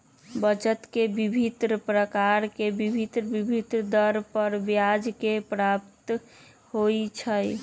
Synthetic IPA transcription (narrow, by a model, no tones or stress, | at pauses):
bət͡ʃət̪kebibʱit̪ɾpɾəkaɾkebibʱit̪ɾbibʱit̪ɾd̪əɾpəɾbjad͡ʒkepɾapt̪ | hojt͡ʃʰəj